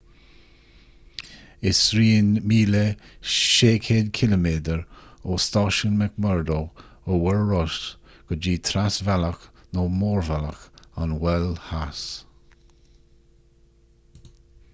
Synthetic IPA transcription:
ɪsɾiːnmiːləʃeːkʰeːd̪kʰɪləmeːd̪əɹost̪ɑːʃənmɛkmɛɹd̪oowɛɹɹɔʃ | ɡ̥əd͡ʒiːt̪ʰɾasvaləknoːmoːɹvalə̰kanwɛlhas

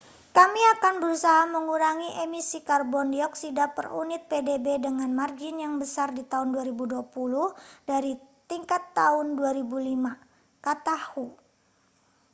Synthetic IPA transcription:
kamiakanbəɾusaɦaməŋuɾaŋiʔemisikarbɔndiɔksidapə̰rṵnɪt̪̚pedebedəŋanmard͡ʒɪnjaŋbəsardit̪aʊnduaɾibuduapuluhdaɾit̪iŋkat̪ːaʊnduaɾibulima | kat̪ahu

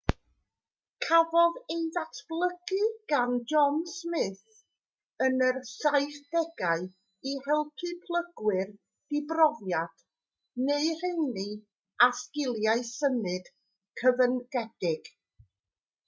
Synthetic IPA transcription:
kʰavɔðejðatʰb̥lˠəɡɨɡ̥and͡ʒɔnsmɪθ | ənərsajθd̥ɛɡ̥aɨ | ihɛlˠpʰɨpʰlˠəɡwɪr | d̥ɪbrɔvjad̥ | neɨr̥ejnɨ | askɪlˠjaɨsəmɨd̥ | kʰəvənɡɛd̥ɪɡ̥

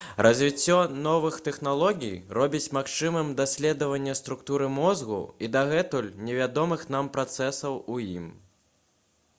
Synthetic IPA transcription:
ɾʔɐzʲvʲit͡sʲːɔnɔvɨxt̪ɛxnalˠɔɣʲḭjrɔbʲit͡sʲmaxt͡ʂɨmɨmd̪asʲlʲɛd̪ɐvɐnʲːɐst̪ɾukt̪uɾɨmɔzɣṵid̪aɣɛt̪ulʲnʲɛvʲad̪ɔmɨxn̪ampɾat̪sɛsɐwujḭm

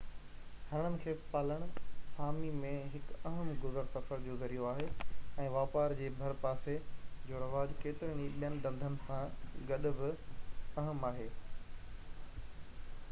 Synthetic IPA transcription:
hɐɽ̃ənɪ̆kʰeːpaːləɽ̃ʊsaːmimẽɦɪkɐɦəmɡʊzəɾt̪ɐfəɾd͡ʑoːzɐɾijoaːɦeːɛ̃ːʋaːpaːɾd͡ʑeːbʱɐɾpaːsed͡ʑoːɾɐʋaːd͡ʑkeːt̪ɪɾəɽ̃iɓijənɪ̆d̪ɐ̃nd̪ʱənɪ̆sãɡɐɗʊ̆bɪɐɦəmaːɦeː

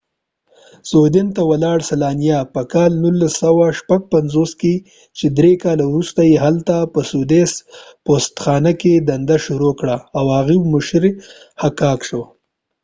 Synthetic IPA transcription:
zod̪ɪnt̪awalɑɽsalɑːnijapəkɑːlnulːasawaʃpaɡ̚panzoske | t͡ʃed̪ɾekɑlawɾust̪ajeɦalt̪apəsud̪espost̪xɑːnaked̪and̪aʃuɾokɽaːwhaɣiwmʊʃɾe | hakɑːkʃo

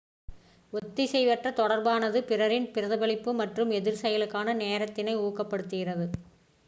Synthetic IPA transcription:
ɔt̪ːisɛjʋɐʈrɐt̪ɔɽɐɾbaːnɐðɯpɪrɐɾɪnpɪɾɐðɐbɐɭɪpːɯmɐʈrɯmɛðɪɾsɐjɐlɯkːaːnɐneːɾɐt̪ːɪnɐɪuːkːɐpːɐɽɯt̪ːɯɣɪrɐðɯ

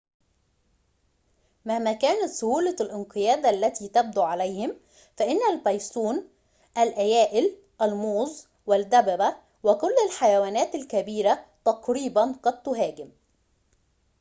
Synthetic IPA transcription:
mahmæːkæːnæt̪sʊhuːlalʔɪnqɨjæːd̪ʔalːæt̪iːt̪æb̚d̪uːʕalæjhɪm | fæʔɪnːælbɑjsˤuːn | ʔælʔæjæːʔɪl | ʔælmoːzˤ | wɪld̪æbæbæ | wɪkʊlːalħajæwæːnæːt̪ɪlkæbiːɾæt̪ɑqɾiːbanqɑd̪̚t̪ʊɦæːɡɪm

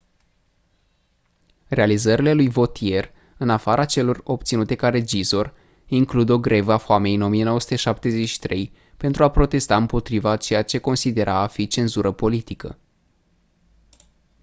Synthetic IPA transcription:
re̞alizəɾile̞lujvo̞t̪ʰie̞r | ɨnafaɾat͡ʃe̞lo̞ro̞p̚t̪sinut̪e̞kaɾe̞d͡ʒizo̞r | iŋklud̪o̞ɡɾe̞vəafoame̞jɨno̞mije̞noosu̥t̪eʃap̚t̪e̞ze̞t͡ʃʃi̥t̪ɾe̞j | pent̪ɾuapɾo̞t̪e̞st̪aɨmpo̞t̪ɾivat͡ʃe̞jat͡ʃe̞ko̞nsid̪e̞ɾʔaːfit͡ʃe̞nzuɾʔəpo̞lit̪ikə̰

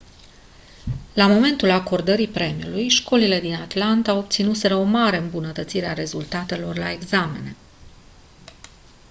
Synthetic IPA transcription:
lamo̞me̞nt̪ulako̞rd̪əɾipɾe̞miulujʃko̞lile̞d̪inat̪lant̪ao̞b̚t̪sinuse̞ɾəo̞maɾe̞ɨmbunət̪ət̪siɾe̞aɾe̞zult̪at̪e̞lo̞rlae̞ɡzame̞̰ne̞

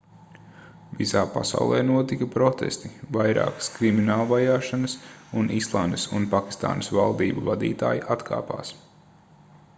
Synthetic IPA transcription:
visaːpa̰sa̰wlˠɛ̰ːnuɔt̪ikɐpɾɔt̪ɛ̰st̪ivajɾa̰ːkə̥skɾiminaːlˠvajaːʃanɐsunʔislˠaːnd̪əsunpakʲi̥st̪a̰ːnɐsvalˠd̪iːbuvad̪ḭːt̪a̰ːjiʔat̪kʰa̰ːpa̰ːs

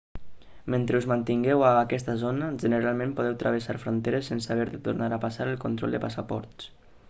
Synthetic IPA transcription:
ment̪ɾeuzmant̪iŋɡɛwaːkɛst̪əzonəʒənəɾalˠmẽmpuð̞ɛwt̪ɾʔə̰β̞əsaɾfɾont̪eɾəsːensaβɛɾðət̪urnaɾapasaɾəlˠkunt̪ɾɔ̰lˠd̪əpasapɔ̰ɾt̪s

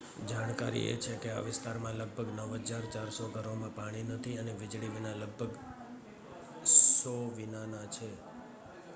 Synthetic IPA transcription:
d͡ʒaɽ̃kaɾḭḛt͡ʃʰekea̰ʋɪst̪aɾmãləɡ̚bʱəɡnəʋɦəd͡ʒaɾt͡ʃaɾsoɡʱəɾomãpaɽ̃inət̪ʰiəneʋɪd͡ʒɭiʋinaləɡ̚bʱəɡ | sɔʋinanat͡ʃʰe

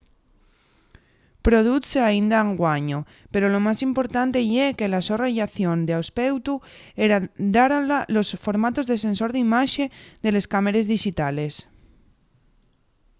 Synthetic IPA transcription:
pɾo̞ð̞uθeaind̪aeŋɡwaɲo | pe̞ɾolo̞masimpo̞ɾt̪ant̪e̞ieke̞lasoraʝaθjo̞nd̪eawspewt̪ueɾad̪aɾalalo̞sfo̞ɾmat̪o̞zðe̞se̞nso̞ɾðimaʃed̪e̞le̞skameɾe̞zðiʃit̪ale̞s

